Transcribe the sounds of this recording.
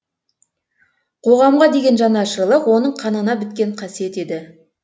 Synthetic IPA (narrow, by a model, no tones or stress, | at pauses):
qʰo̞ʁɑmʁɑd̪e̞ɡʲe̞nʒɑnɑʃəɾlˠəqwo̞nəɴqʰɑnənɑbɪt̪̚kʲe̞ɴqʰɑsije̞t̪e̞d̪ɪ